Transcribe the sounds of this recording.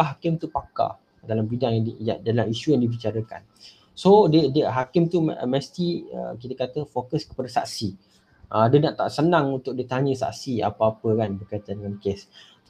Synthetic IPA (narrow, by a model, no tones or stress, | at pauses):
ɦakɪmt̪upaka̰ | dalambidaŋjajadalamiʃujaŋdibit͡ʃaɾəka̰n | sodədəɦakɪmt̪umɛst̪iə̰k̬it̪əkat̪əfokəskə̥padasa̰ʔsi | ʔədənaʔt̪aʔsənãŋunt̪ʊk̚dit̪aɲə̃sa̰ʔsia̰paapəkanbərkajt̪andəŋankes